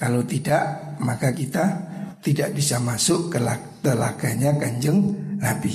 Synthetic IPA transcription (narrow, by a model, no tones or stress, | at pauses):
kalot̪idaʔmakakit̪at̪idaʔbisamasʊʔkəla | kəla̰ɡ̥aɲakaɲd͡ʒəŋnabi